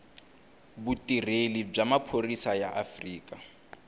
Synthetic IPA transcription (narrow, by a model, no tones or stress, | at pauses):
butʼirelib͡ʐamapʰorisajaʔafriːkʼa